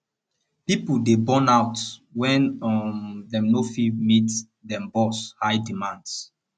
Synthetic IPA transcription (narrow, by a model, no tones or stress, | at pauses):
pipudebɔ̃naʊtwɛ̃nɔmdɛ̃mnofimit | dɛ̃mbɔshaɪdimãnds